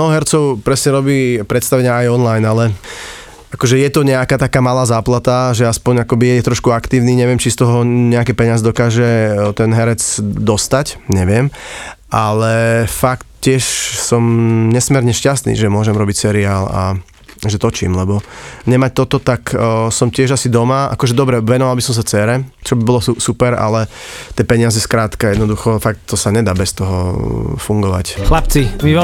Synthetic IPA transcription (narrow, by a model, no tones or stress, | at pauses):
nɔɔɦɛɾt͡sɔʊpɾɛsɲɛɾɔbiːpɾɛt̪st̪aʋɛɲɪaajɔnlajnalɛ | akɔʒɛjɛt̪ɔɲɛakaːt̪akaːmalaːzaːplat̪aʒɛaspɔɲakɔbijɛjɛt̪ɾɔʃkuakt̪iːʊniːɲɛʋɪɛmt͡ʃist̪ɔɦɔɲɛakɛpɛɲazɛd̪ɔkaːʒɛt̪ɛnɦɛɾɛt͡sd̪ɔst̪acɲɛʋɪɛmʔalɛfakt̪cɪɛʃsɔmɲɛsmɛɾɲɛʃcast̪nḭːʒɛmʊɔʒɛmɾɔbicsɛɾiaːla̰ | ʒɛt̪ɔt͡ʃḭːmlɛbɔɲɛmac̚t̪ɔt̪ɔt̪aksɔmtɪɛʒasid̪ɔmaʔa̰kɔʒɛd̪ɔbɾɛʋɛnɔʋalˠbisɔms̬at͡sɛːɾɛt͡ʃɔbibɔlɔsupɛɾa̰lɛt̪ɛːpɛɲɪazɛskɾaːt̪kajɛd̪nɔd̪uxɔfak̚t̪ːɔsaɲɛd̪aːbɛst̪ɔɦɔfuŋɡɔʋa̰cxlapt͡simiɛ